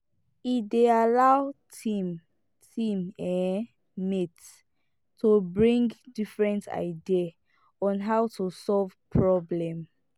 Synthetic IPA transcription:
idealawtʰim | tʰĩmɛ̃ | mits | tubɹĩŋɡdifɹɛ̃ntʰa̰ɪdia | ɔ̃nɦawtʰusɔlv̥pʰɹɔblɛ̃m

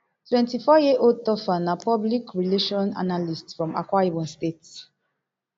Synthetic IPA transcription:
twɛ̃ntifɔjeʔotɔfanapɔblikɹileʃɔ̃na̰nalistsfɹɔ̃ma̰kwaibɔ̃nstets

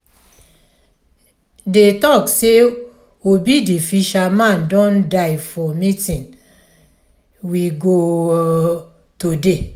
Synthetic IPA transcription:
detɔkse | obidifiʃamãndɔ̃ndaɪfɔmitĩn | wiɡo | tode

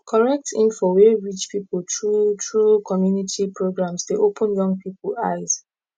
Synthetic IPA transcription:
kʰɔɹɛk̚tʰĩnfɔweɹit͡ʃpipoltɹutʰɹukʰɔmjunitʰipʰɹoɡɹãmsteʔopʰə̃njɔ̃ŋɡpipəlaɪz

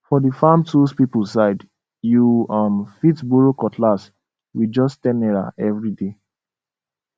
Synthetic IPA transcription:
fɔdəfãmtuspipulsaɪd | juʌmfitbuɹokɔtʰlas | wid͡ʒɔstɛnɛɹa̰ɛvɹide

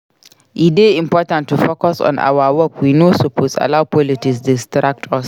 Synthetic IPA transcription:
ʔideːɪ̃mpɔːtãntːufokɔsɔ̰̃nʔa̰wawɔkwinoːsopʰosa̰lawpʰɔlɪtɪksdɪstɾak̚tʰɔs

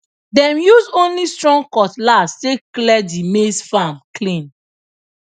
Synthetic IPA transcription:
dɛ̃mjuzõnlistɹɔ̃ŋkɔtlasːeklɛdimesfamklĩn

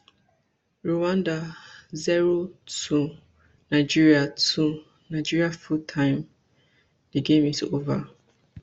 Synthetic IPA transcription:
ɹowãndazɛɹotʰu | naɪd͡ʒiɹiatu | nãɪd͡ʒiɹiafutʰãɪ̃m | diɡẽmisova

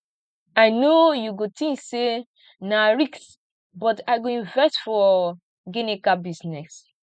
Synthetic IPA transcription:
ajnojuɡotĩŋkse | naɹiks | bɔtaɪɡoĩnvɛstfɔ | ɡenẽkabisnɛs

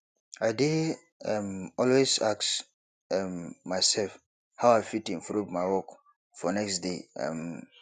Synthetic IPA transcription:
aɪdi | ɛmɔlwezaks | ɛmmaɪsɛlf | haʊaɪfitĩɱfɹuvmaɪwɔk | fɔnɛksdeʌ̰m

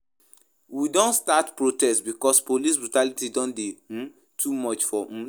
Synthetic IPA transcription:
widõnstatpɹotɛstbikɔspolisbɹutalitidɔ̃ndẽ | tʰumɔt͡ʃfɔ̃

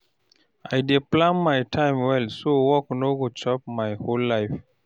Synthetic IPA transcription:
ajdeplãnmajtʰãɪ̃mwɛlsowɔknoɡot͡ʃɔp̚majholːaɪf

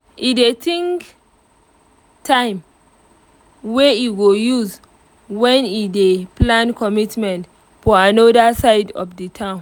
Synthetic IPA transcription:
ʔidetʰĩŋk | tʰãɪ̃m | weiɡojuz | wɛ̃nideplãnkʰɔmitmɛ̃nt | fɔãnɔdəsaɪdɔ̰fditʰãʊ̃n

